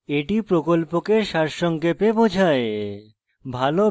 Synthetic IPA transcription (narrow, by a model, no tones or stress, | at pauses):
eʈipɾokolpokeʃaɾʃɔŋkepebod͡ʑʱae | bʱalo